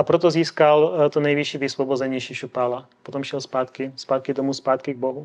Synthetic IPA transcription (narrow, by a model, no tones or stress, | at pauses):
apɾɛt̪ɔziːskalt̪ɔnajʋiʃiʋisʋɔbɔd͡zɛɲɛjʃiʃupaːla | pɔt̪ɔmʃɪɛlspaːt̪kispaːt̪̚kid̪ɔmuspaːt̪kiɡ̚bɔɦu